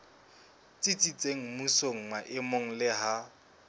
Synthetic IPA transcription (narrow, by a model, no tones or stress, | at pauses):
t͡sʼit͡sʼit͡sʼeŋ̩musoŋ̩maʔɪmoŋ̩lɪɦa